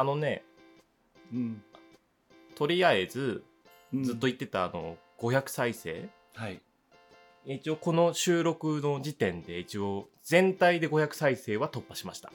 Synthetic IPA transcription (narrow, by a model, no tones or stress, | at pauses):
ano̞ne̞ | t̪o̞ɾʲiae̞zɨ | zɨt̪ːo̞it̪ːe̞t̪aːno̞̰ɡ̥o̞çakɯ̟̥saise̞̰ː | hai | ait͡ɕio̞ko̞no̞ɕɨːɾo̞kɯ̟no̞d͡ʑit̪ẽ̞nd̪e̞it͡ɕio̞ | zẽ̞nt̪aid̪e̞ɡo̞çakɯ̟̥saise̞ːβat̪opːaɕimaɕi̥t̪a